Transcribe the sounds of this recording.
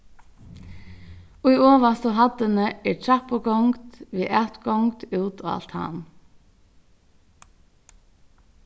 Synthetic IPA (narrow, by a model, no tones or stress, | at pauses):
ʊjoːʋast̪oːɦɑd̪ənəɛːɹtʰɑpɔɡɔŋkt̪ʋiːʔæːt̪ɡɔŋt̪ʉːt̪ʰo̰ːɑ̰lt̪hɑ̰n